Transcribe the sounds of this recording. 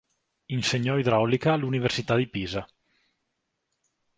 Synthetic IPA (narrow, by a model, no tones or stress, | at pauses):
inseɲɔid̪ɾaɔlikaːluniveɾsit̪ad̪ipiza